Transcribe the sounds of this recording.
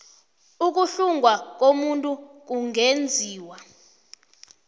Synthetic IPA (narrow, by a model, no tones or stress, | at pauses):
uk̬uɬuŋʱwak̬omuntʼuk̬uŋend͡zʱiːwa